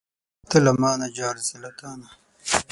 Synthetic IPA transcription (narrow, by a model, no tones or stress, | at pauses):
t̪elɐmaːnɐd͡ʑaːɾzilɐt̪aːnɐ